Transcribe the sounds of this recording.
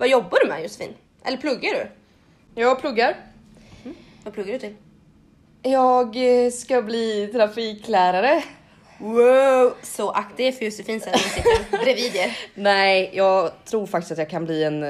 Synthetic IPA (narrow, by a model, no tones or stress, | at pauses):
vajɔbːaɖɵmɛ̰jʊsɛ̥fḭːn | ʔɛlːəɾpʰlɵɡːaɖɵ̰ | jɑːɡpʰlɵɡːaɾ | vapʰlɵɡːaɖɵt̪ɪ | jɑːɡskabliːt̪ʰɾafiːklæːɾaɾə | wasɔʔakt̪ɪɛfœjʊsɛfiːnssɛt̪ːsɪt̪ːəbɾɛviːd̪jəɾnɛɪjɑːɡt̪ʰɾuːɾfakt̪ɪ̥stat̪jɑːɡkʰanbliːɛn